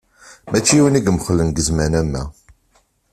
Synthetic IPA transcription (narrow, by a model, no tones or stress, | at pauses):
mʔæt͡ʃːiwəniɡmχəlːənɡəzmænæmːæ̰